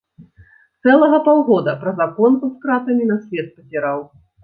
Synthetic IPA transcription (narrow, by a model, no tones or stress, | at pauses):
t̪sɛlˠɐɣɐpawɣɔd̪ɐpɾɐzakɔnuskɾat̪ɐmʲinɐsʲvʲɛt̪̚pɐt͡sʲiɾaw